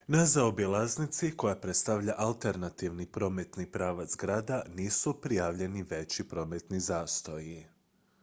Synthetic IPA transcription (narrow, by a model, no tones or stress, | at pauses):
nazaobilaznit̪siko̞japɾet̪st̪aʋʎaʔalˠt̪e̞ɾnat̪iʋnipɾo̞ːme̞t̪nipɾaːʋat̪sɡɾaːd̪aniːsupɾijaːʋʎe̞niʋe̞t͡ɕipɾo̞ːme̞t̪nizaːst̪o̞ji